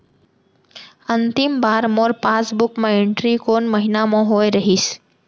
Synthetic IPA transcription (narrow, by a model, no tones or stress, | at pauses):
ənt̪ɪmbaːɾmoːɾpãːsbʊkmẽɪɳʈɾikoːnməɦɪnamõɦoːeɾɐɦiːs